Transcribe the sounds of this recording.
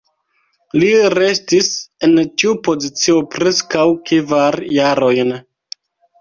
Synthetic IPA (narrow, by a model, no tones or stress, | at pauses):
liɾe̞stise̞ntiupo̞zit͡sio̞pɾe̞skawkivaɾjaɾo̞jn